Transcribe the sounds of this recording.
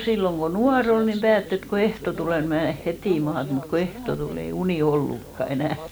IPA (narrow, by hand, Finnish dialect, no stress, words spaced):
silːoŋ ko nuɑr ol nim pæːtː et ko ehto tuleˑ ni mneˑ hetiˑ mɑːt mut ko ehto tul ei uniˑ olːukːɑ enæˑ